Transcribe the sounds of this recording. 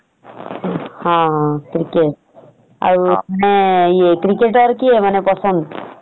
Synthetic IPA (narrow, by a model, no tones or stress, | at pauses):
hãɦãkɾikeʈ̚ | a̰ɾuaneiekɾikeʈɔɾkiemanepɔsɔnd̪